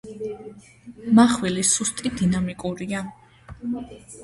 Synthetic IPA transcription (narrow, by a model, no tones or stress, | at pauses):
maχwɛlisust̪ʼid̪inamikʼuɾia